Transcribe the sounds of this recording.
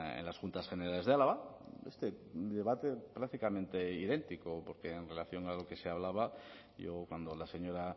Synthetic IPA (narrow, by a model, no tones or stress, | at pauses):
ḛnlasxunt̪asxe̞neɾale̞zðealaβaest̪ed̪e̞β̞at̪e̞pɾak̚t̪ikamẽnt̪e̞iðe̞nt̪ikopo̞ɾke̞ːnre̞laθjo̞ŋalo̞ke̞seaβlaβ̞a | ʝokwand̪o̞lase̞ɲo̞ɾa